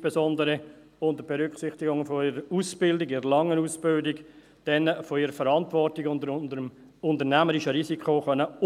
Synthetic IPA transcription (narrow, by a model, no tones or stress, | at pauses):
pesɔndəɾə | ʊntəbɛɾʏkχsɪχtɪɡʊŋfoiɾəuːsb̥ɪldɪɡiɾəlɑŋːənuːsb̥ɪldɪk | d̥ɛnfoiɾəfəɾɑntʋɔrtiɡʊndəndəm | ʊndənæməɾiʃəɾisikχoːχœnə